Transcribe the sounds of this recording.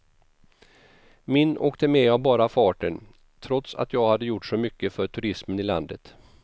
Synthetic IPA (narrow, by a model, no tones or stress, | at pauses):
mɪnʔoːkt̪əmɛavbɑːɾafɑːʈən | t̪ʰɾɔt̪sa̰t̪jɑːɡhad̪ːəjʊʈʂɔmʏkːəfœʈʰɵɾɪsmənɪla̰nd̪ət̪